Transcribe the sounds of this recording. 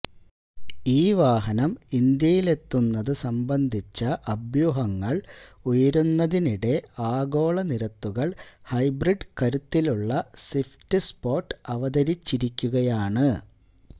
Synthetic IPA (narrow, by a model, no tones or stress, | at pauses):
iːʋaːɦɐnɐmind̪jɐjile̞t̪ːunːɐðɨsɐmbɐnd̪ʱit͡ɕːɐʔɐbʱjuɦɐŋːɐɭujɐɾunːɐðiniɽe̞aːɡo̞ːɭɐniɾɐt̪ːuɣɐɭhɐjbriɖkɐɾut̪ːiluɭːɐsiftɨspo̞ːʈːɨɐʋɐðɐɾit͡ɕːiɾikʲːuɣɐjaːɳɨ